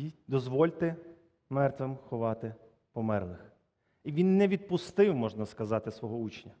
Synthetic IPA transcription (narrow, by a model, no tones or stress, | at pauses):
id̪ɔzʋɔlʲt̪ɪ | mɛrt̪ʋemxɔʋɑt̪ɪ | pɔmɛrlˠɪx | iʋʲinːɛʋʲid̪̚pʊst̪ɪwmɔʒnɐskɐzɑt̪ɪsʋɔɦɔut͡ʃnʲɐ